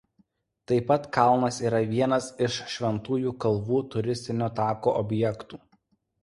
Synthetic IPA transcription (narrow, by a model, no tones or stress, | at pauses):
t̪ɐɪpɐt̪kɐlˠnɐsiːɾɐʋʲiɛnɐsɪʃʃʲʋʲɛnt̪uːjuːkɐlˠʋuːt̪ʊɾʲɪsʲt̪ʲɪnʲoːt̪ɑːkoːʔɔbʲjɛkt̪uː